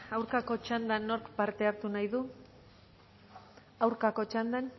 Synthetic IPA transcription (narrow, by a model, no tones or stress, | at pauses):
awɾkako̞t͡ʃand̪ano̞ɾkpaɾt̪e̞aɾt̪unajðu | awɾkako̞t͡ʃand̪an